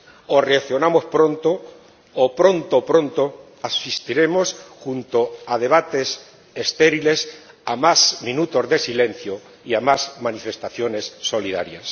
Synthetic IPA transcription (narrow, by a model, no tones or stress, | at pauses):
oreaθjonamo̞spɾont̪oː | pɾo̞nt̪opɾo̞nt̪o | asist̪iɾe̞mo̞sxunt̪oað̞e̞β̞at̪e̞s | est̪eɾile̞s | amasmĩnut̪o̞zðe̞silẽ̞n̟θjo | iamazmanife̞st̪aθjone̞sːo̞liðaɾjas